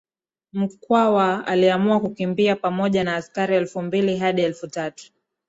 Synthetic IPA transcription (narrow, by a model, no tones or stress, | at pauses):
m̩kwawaa̰liamuakukimbiapamɔʄanaːskaɾiɛlfumbiliɦaɗiɛlfutatu̥